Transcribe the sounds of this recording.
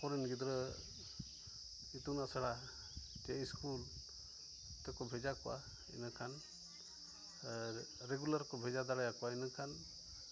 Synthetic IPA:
pɔɾinɡid̪ɾɔ | it̪unasaɽa | teskʰul | t̪ɔkɔbʱezakɔwa̰ | ḭnakʰan | ɾeɡulaɾkɔbʱɛzad̪aɽajakwainɯkʰan

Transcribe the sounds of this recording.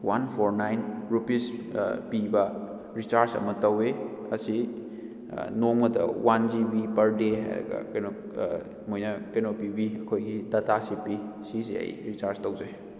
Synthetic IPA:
wanpʰoɾnajnɾupispibɐ | ɾit͡ʃaɾsɐ̰mɐtɐwe | ɐsi | noŋmɐdɐ̰wʔand͡ʒibipɐɾdeɦa̰jɾɐ̰ɡɐ̰kɐjno | mojnɐkɐjnopibiɐkʰojɡidatasipisisḛɐ̰jɾit͡ʃaɾstɐwzaj

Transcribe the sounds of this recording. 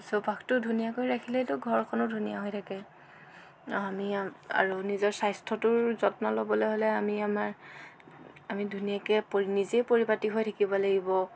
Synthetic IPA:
sobʱaktʊdʱunijakojɹakʰilɛtʊɡʱɔɹkʰɔnʊdʱunijaɦojtʰakɛ | amia̰ɹunizɔɹsajstʰɔtʊɹzɔtnɔlobɔlojɦolɛamiamaɹ | amidʱunijakɛpoɹinizejpoɹipatiɦojtʰakibɔlaɡibɔ

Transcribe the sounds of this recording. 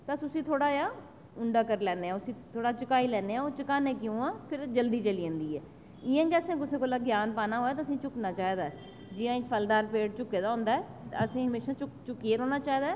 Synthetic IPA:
t̪əsʊsĩːt̪ʰoːɽaːjaː | ʊɳɖaːkəɾlɛːneːãːʊsĩːt̪ʰoːɽaːt͡ʃəkaːiːlɛːneːãːoːt͡ʃəkaːnẽːkɪjũːãːpʰɪɾd͡ʒəld̪iːt͡ʃəliːə̃nd̪iːɛː | ɪjãːkɛːsẽkʊsẽːkoːlaːɡjaːnpaːnaːɦoːjaːt̪aəsĩːt͡ʃʊknaːt͡ʃaːɦiːd̪aːɛ | d͡ʒɪjãːɪkpʰəld̪aːɾpeːɽt͡ʃʊkːeːd̪aːɦʊ̃nd̪aːɛː | əsĩːɦəmeːʃãːt͡ʃʊt͡ʃʊkːieːɾoːnaːt͡ʃaːɦiːd̪aːɛː

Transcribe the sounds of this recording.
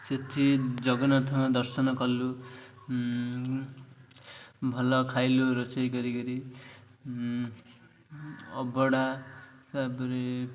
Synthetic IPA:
set̪ʰid͡zʌɡʌnat̪ʰmad̪ʌrsʌnʌkʌlːu | bʱʌlʌkʰajluɾʌsʌjɡʌɾiɡʌɾi | ʌ̰bʌɽasabɾe

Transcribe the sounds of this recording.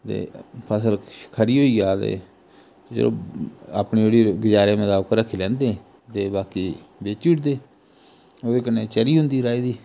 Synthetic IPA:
t̪ḛːpʰəsəlkʰəɾiːɦoːiːɡaːt̪ḛː | d͡ʒə̰lõ̰ːaːpniːeːɽiːɡɪd͡ʒaːɾeːmət̪aːbkɾəkʰːelɛ̃ːnd̪eː | t̪eːbaːkiːbeːt͡ʃiːʈd̪eː | oːd̪eːkəneːt͡ʃəɾiːɦʊ̃nd̪iːɾaːiːd̪iː

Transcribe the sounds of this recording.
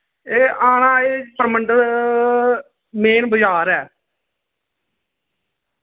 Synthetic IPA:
eːʔaːnãːeːpəɾməɳɖ̪ | meːnbəd͡ʒaːɾɛː

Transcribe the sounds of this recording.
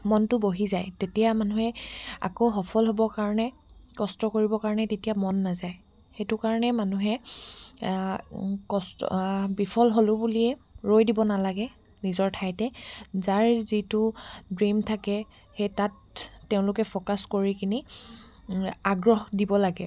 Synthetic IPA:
mɔntʊboɦizajtetijamanuɦɛa̰koɦɔpʰɔlɦobɔɹkaɹɔnɛ | kɔstɔkoɹibɔkaɹɔnɛtetijamɔnːazaj | xejtʊkaɹɔnɛmanuɦɛ | kɔstɔ̰bipʰɔlɦolʊbuliɛɹojdibɔnalaɡɛ | nizɔɹtʰajtɛzaɹzitʊdɹimtʰakɛ | xejtatː | eʊ̃lʊkɛpʰokaskoɹikʰini | aɡɹɔɦdibɔlaɡɛ

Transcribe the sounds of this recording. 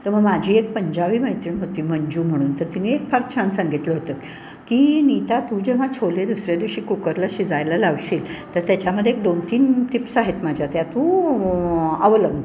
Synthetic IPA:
t̪əɾm̤əɡmad͡ʑʱiːek̚pəɲd͡ʑaʋiːməɦit̪iːnɦot̪iːməɲd͡ʑuːm̤əɽ̃uːnt̪əɾt̪iniek̚pʰaɾt͡ɕʰansəŋɡʱit̪ləɦot̪ə | kːiːnit̪at̪ũːd͡ʑeʋ̤at͡ɕʰoled̪usɾjad̪iʋɕiːkukəɾləɕid͡zajlalaʋɕiːlt̪əɾt̪jat͡ɕaməd̪ʱːjek̚d̪ont̪iːnt̪ʰipsaɦet̪mad͡ʑʱjat̪jat̪ũ | əʋələɡ̪

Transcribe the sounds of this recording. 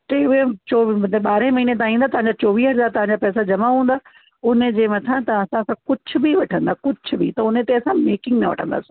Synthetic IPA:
teʊet͡ɕoːɓaːɾẽmɐɦiːnet̪̬ãːɦĩːnd̪at̪ɐʋ̤ãɲd͡ʑat͡ɕoːʋiːɦɐzaːɾt̪ɐʋ̤ãɲd͡ʑaːpɛːsad͡ʑɐmaɦũːnd̪aː | ʊnəd͡ʑeːmɐt̪ʰãt̪ɐɐsãkãkʊd͡ʑʰʱʊ̆biʋɐʈʰə̃nd̪aːkʊd͡ʑʰʱʊbit̪ɐʊnet̪eɐsãmeːkɪ̃ŋɡnɐʋɐ̰ʈʰə̰̃nd̪a̰ːsĩ̥

